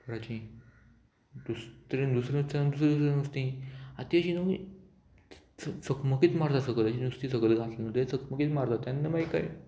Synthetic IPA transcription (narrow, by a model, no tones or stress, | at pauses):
kəɾat͡ɕĩ | d̪ustɾẽnd̪usɾẽnst̪ãnd̪usɾẽd̪us̬ɾãnəst̪ĩat̪iaɕinomi | ssəkməkiːt̪maɾt̪asəɡəlaɕid̪ust̪ĩs̬əɡəlɡʱat̪linət̪et͡səkməkiːt̪maɾd̪at̪janːemaika̰j